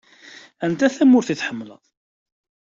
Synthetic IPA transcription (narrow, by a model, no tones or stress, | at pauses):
ænt̪æθæmʊɾθiθħəmːlə̰ðˤ